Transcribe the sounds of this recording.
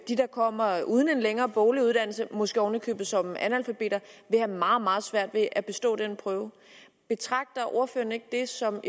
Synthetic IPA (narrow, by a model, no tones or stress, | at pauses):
d̥id̥ɑ̈kʰɒ̽m̰ɐʔuːð̞ˠn̩e̝nleŋɐːb̥ɔːliuðˠd̥æn̰l̩səmɔ̽sɡ̥əɒnəkʰøːb̥ð̩sɒ̽mænælfæb̥e̝̰ːd̥ɐʋe̝hæmɑ̈ːð̩ˠmɑ̈ːð̞̩ˠsʋæɐ̰d̥ʋe̝ʔæb̥e̝sd̥ɔ̰̽ːd̥enəpʰʁœːʊ | b̥e̝t͡sʰʁɑ̈ɡ̥̚d̥ɐʔoɐfø̰ɐne̝ɡ̥əd̥e̝sɒ̽m